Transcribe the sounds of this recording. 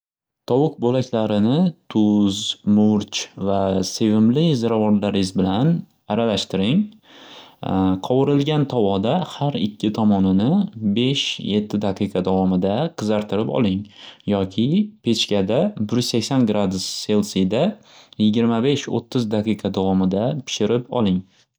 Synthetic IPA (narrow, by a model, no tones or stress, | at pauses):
t̪ʰɒwʊq̚bolakʲlaɾɪnɪt̪ʰʊzmʊɾt͡ʃvase̞vɪmlɪzɪɾavɒnlaɾɪzbɪlan | aɾalaʃt̪ɪɾɪŋ | qʰɒwɪɾɪlɡʲant̪ʰɒwɒd̪ahaɾɪ̰kʲʰːɪt̪ʰɒmɒnɪnɪbe̞ʃje̞t̪ʰːɪd̪aqʰɨjqʰɑd̪avɒmɪd̪aqʰɨzaɾt̪ʰɪɾɪpɒ̰lˠɪŋjɒkʲʰɪpʰe̞t͡ʃkʲad̪abʊɾzsakʲsanɡɾad̪ʊsːe̞lˠsid̪a | jɪɡʲɪɾmabe̞ʃo̰t̪ʰːɪzd̪aqʰɨqʰɑd̪avɒmɪd̪apʰɪ̥ʃɪɾɪpɒ̰lˠɪŋ